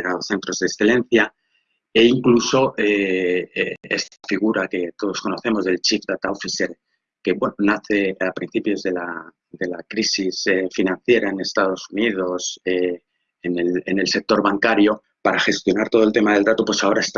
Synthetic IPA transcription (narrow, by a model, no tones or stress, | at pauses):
naðoθe̞nt̪ɾo̞zðeksθe̞lẽ̞n̟θja | e̞iŋkluso̞ʔeeḛst̪afiɣ̞uɾake̞t̪o̞ð̞o̞sko̞no̞θe̞mo̞zðe̞lt͡ʃifd̪at̪aofiseɾ | ke̞βwe̞nonaθe̞apɾinθipjo̞zðe̞la | d̪e̞lakɾisisefinãnθje̞ɾaene̞st̪aðo̞sunið̞o̞se | enelene̞lse̞k̚t̪o̞ɾβaŋkaɾjo̞ | paɾaxe̞st̪jo̞naɾt̪o̞ð̞olt̪e̞maðe̞ld̪at̪o̞pwe̞sao̞ɾaest̪